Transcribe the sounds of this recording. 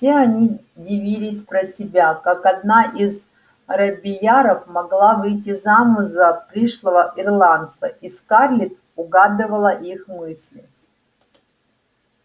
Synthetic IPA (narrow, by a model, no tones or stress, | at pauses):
sʲeɐnʲi | dʲɪvʲilʲɪsʲpɾəsʲɪbʲakakɐd̪naʔiz | ɐɾɐbʲɪjaɾəfmɐɡlˠavɨjt̬ʲɪzamʊzəpɾʲiʂlˠəvəʔɪrlˠant̪səʔiskarlʲɪt̪ | ʊɡad̪ɨvəlˠəʔixmɨsʲlʲɪ